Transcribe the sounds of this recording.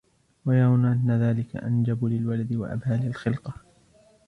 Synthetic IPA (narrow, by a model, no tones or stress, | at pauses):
wajɑɾˤɑwnaʔanːaðaːlɪka̰ʔand͡ʒabʊlɪlwalad̪ɪwa̰ʔa̰bhaːlalxɪlqɑ